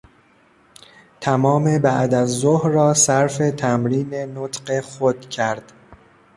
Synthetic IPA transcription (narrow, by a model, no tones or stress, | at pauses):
t̪ʰæmɒːme̞bæʔd̪æzːohɾɒːsæɾfe̞t̪ʰæmɾiːne̞not̪ʰɢe̞xod̪̥cʰæɾd̪̥